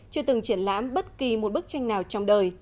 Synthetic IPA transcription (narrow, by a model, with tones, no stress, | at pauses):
t͡ɕɨ˧t̪ɨ˨˩ŋt͡ɕi˧˩ənla̰ː˧˥mɓə˦˥t̚ki˨˩mo˨˩t̚ɓɨ˦˥k̚t͡ɕa˧jŋ̟naː˨˩wt͡ɕɔ˧wŋ͡mɗəː˨˩j